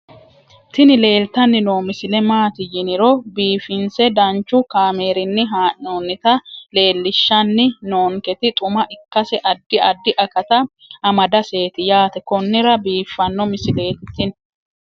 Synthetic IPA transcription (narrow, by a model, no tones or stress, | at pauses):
t̪ɪnɪle̞ːlt̪ɐnːɪnoːmɪsɪlɛmaːt̪ɪjɪnɪɾɔbiːfɪnsɛd̪ɐnt͡ʃːʊkaːme̞ːɾɪnːɪɦaːʔoːnːɪt̪ɐle̞ːlːɪʃːɐnːɪnoːŋkɛt̪ɪt̪ʼʊmɐʔɪkːɐsɛʔɐd̪ːɪɐd̪ːɪʔɐkɐt̪ɐ | ɐmɐd̪ɐse̞ːt̪ɪjaːt̪ɛkɔnːɪɾɐbiːfːɐnːɔmɪsɪle̞ːt̪ːɪn